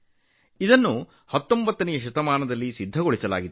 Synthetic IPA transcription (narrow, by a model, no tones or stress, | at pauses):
id̪ɐnːu | hɐt̪ːombɐt̪ːɐnɛjɐʃ̬ɐt̪ɐmaːnɐd̪ɐlːisid̪ʱːɐɡoɭisɐla̰ːɡid̪